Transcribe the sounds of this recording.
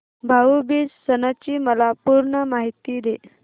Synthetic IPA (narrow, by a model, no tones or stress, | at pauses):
bʱaubiːssənat͡ɕiːməlapuɾɳəmaɦit̪iːd̪e